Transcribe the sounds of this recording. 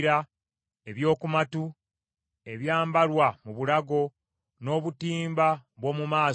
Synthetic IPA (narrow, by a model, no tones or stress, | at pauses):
ɾa | e̞βjo̞ːkumatu | e̞βjaːmbalwamuβulaɡo̞ | no̞ːβutiːmbaβwo̞ːmumaː